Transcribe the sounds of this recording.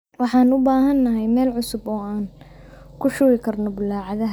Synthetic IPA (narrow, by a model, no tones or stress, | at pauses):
wɑħɑːnʊbaːɦɐnːɐɦɛjmɛːlʕʊsʊbɔːaːn | kʰʊʃʊɾɪkʰɐrnɔbʊlaːʕɑðɐɦ